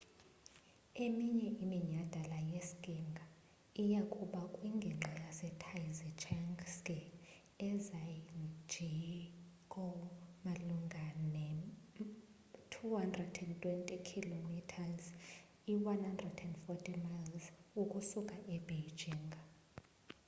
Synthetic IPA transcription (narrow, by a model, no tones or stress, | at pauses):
emiɲɛʔimiɲad̥ʱalajeskʼiŋɡʱa | ijakʼuɓakʼwiŋɡʱɛŋ͡ǁʱijasɛtʰajzɛt͡ʃʰɛŋɡskʼɛ | ɛzajind͡ʒʱi | kʼɔmaluŋɡʱanɛ | tʰuhandrɛdɛntʼwɛntʼikʰilomitʰaz | iwanhandrɛdɛndfɔtʰʼimajlzukʼusukʼaʔɛbejd͡ʒʱiŋɡʱa